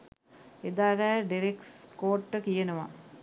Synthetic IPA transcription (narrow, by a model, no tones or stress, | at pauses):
ed̪aːɾæːɖiɾekskoːʈːəkijənəʋa̰